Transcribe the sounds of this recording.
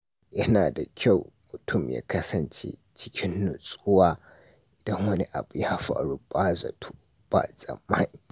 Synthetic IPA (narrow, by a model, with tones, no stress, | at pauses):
jɐ˦naː˨da˨kʲʰa˦˨wmʊ˨tʰʊ˦˨mja̰ː˦kɐ˦sɐ˨nt͡ʃḛ˦ | t͡ʃɪ̥˦kʲʰɪ˦nːʊ˨sʼʊ˦waː˦ | ʔɪ˨dɐ˦ŋwɐ˦ni˦ʔa̰˨bu˨ja˦ɸa̰ː˨ɽu˦baː˦za̰˨tʰo˦b̥a̰˨zʼɐ̰˨mːa˦niː˨